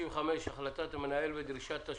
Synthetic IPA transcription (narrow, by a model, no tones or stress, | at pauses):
iveχameʃaχlat̪at̪amenaelbed̪ɾiʃat̪ːa